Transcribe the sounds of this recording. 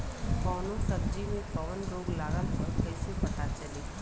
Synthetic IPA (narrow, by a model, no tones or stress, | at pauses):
kɔːnõsɐbd͡ʒimẽpɐʋənɾoːɡlaːɡət̪ɔɾkʰɛːsepɐʈ̪at͡ʃɐleː